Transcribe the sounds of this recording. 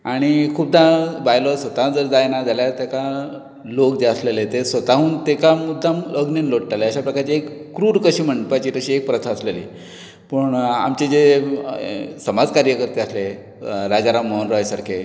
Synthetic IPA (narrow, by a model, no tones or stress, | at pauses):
aɽ̃ikʰuːb̚d̪ʱabajlɔsʋət̪ad͡zəɾd͡zajnad͡zaljat̪eka | lokd͡zeəslelet̪esʋət̪aɦũːnt̪ekamud̪ʱːaməɡniːnloɽʈaleəɕapɾəkaɾt͡ɕiekːɾuːɾukəɕiːm̤əɳɖpajt͡ɕiːt̪əɕiːek̚pɾət̪ʰaəslelḭ | pəɳa̰mt͡ɕed͡ze | səmad͡zkaɾjəkəɾt̪eəsle | ɾaɡaɾaməənɾɔɦjsaɾkʰe